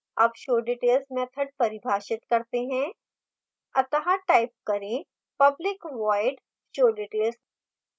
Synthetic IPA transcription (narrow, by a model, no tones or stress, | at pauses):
ɐbʃoːɖiːʈeːlsmẽɐt̪ʰəʈ̚pɐɾɪbʱaːʃɪt̪kɐɾt̪eɦɛ̃ː | ɐt̪əɦaʈaːɪp̚kɐɾẽ | pɐblɪkʋaːɪɖ | ʃoːɖiːʈeːls